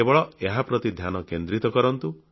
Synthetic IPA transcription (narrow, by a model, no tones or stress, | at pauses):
ebɔɭɔeɦapɾɔt̪id̪ʱjanɔkend̪ɾit̪ɔkɔɾɔnt̪u